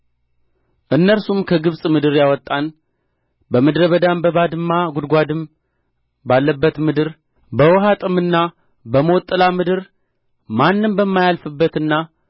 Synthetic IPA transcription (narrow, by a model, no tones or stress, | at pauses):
ʔɨnːəɾsumkʰəɡɨβsʼmɨd̪ɨɾjawɔt̪ʼːan | bəmɨd̪ɾəβəd̪ambəβad̪ɨmːaɡʊd̪ɡʷad̪ɨm | balːəbːət̪mɨd̪ɨɾ | bəwɔɦat̪ʼɨmɨnːa | bəmot̪ʼːɨlamɨd̪ɨɾ | manːɨmbəmːajalfɨbːət̪ɨnːa